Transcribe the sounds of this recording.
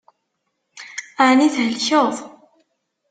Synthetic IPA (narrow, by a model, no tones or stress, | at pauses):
aʕniθhəlçoðˤ